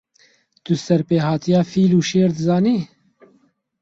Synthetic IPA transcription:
t̪ʊsɛɾpeːhɑːt̪ijɑːfiːluːʃeːɾd̪ɨzɑːniː

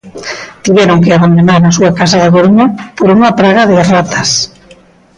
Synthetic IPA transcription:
t̪iβɛɾoŋkeaβand̪onaɾːsuakasaðakoɾuɲapoɾuŋɐpɾaɣɐðɪrat̪ʰɐs

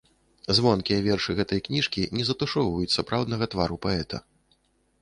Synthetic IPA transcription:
zvɔnkʲijɐvʲɛrʂɨɣɛt̪ɐjknʲiʂkʲinʲɛzɐt̪uʂɔwvɐjut͡sʲsapɾawd̪nɐɣɐt̪vaɾupaɛt̪ʰɐ̰

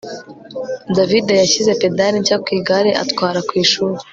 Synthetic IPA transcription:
davidejaçize̞pe̞daɾiɲcakwiːɡaɾeʔa̰tkwaːɾakwiːʃuɾe

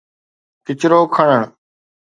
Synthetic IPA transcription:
kɪt͡ʃɾoːkʰəɳəɳ̃

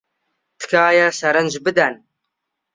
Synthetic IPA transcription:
t̪ɨ̥kʰaːjɐsɐɾɐnʒbɨd̪ɐn

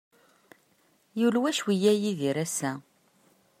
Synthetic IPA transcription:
julwæʃwijæjiðiɾæsːæ

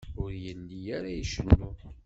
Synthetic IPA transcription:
ʊɾjənd̪ijaɾajiʃənːu

